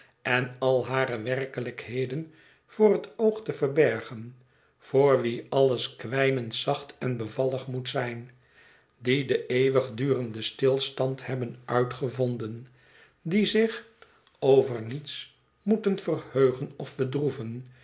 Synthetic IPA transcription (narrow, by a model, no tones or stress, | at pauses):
ʔɛnɑlˠɦaːɾəʋɛrkələkhejdən | v̥oːrɦətowχtəvəɹbɛɹχən | v̥oːɹʋiɑləskʋɛjnəntsɑχtɛnbəvɑlˠəχmutsɛjn | didəʔejʋəχdyːrəndəstɪlˠstɑnthɛbənœɥtχəvɔndən | dizɪχ | owvəɹnits | mutənv̥ərhøɥχənɔfbədruvən